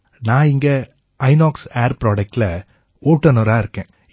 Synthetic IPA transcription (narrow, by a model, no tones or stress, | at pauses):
nãːɪŋɡɐ | ʔɐɪnaːkseːɾpɾoːɖɐk̚ʈɪlɐ | oːʈːɐnoːɾaːɪɾɯkːẽː